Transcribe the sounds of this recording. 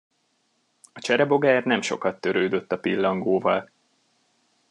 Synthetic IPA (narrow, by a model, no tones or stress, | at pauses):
ɒt͡ʃɛɾɛbo̞ɡaːrnɛmʃo̞̰kɒt̪ːø̞ɾøːd̪ø̞t̪ːɒpilːɒŋɡoːvɒl